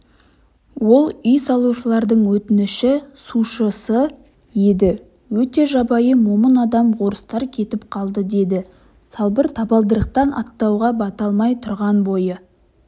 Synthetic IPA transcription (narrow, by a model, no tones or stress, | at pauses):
wo̞lˠʏjsɑlˠuʃəlˠɑɾd̪əɴwɵt̪ɪnɪʃɪsuʃəsə | jed̪ɪ | wɵt̪e̞ʒɑbɑjəmo̞mənɑd̪ɑmʁo̞ɾəst̪ɑɾkʲʰe̞t̪ɪp̚qʰɑlˠd̪əd̪e̞d̪ɪ | sɑlˠbəɾt̪ʰɑbɑlˠd̪əɾəq̚t̪ɑnʔɑ̰t̪ːɑwʁɑbɑt̪ɑlˠmɑjt̪ʰʊɾʁɑnbo̞jə